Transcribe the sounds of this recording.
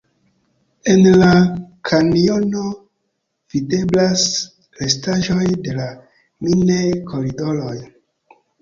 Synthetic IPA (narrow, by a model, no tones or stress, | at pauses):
e̞nlakʰaniono | v̥ide̞blas | ɾestaʒo̞jde̞la | minejkʰo̞ɾido̞loj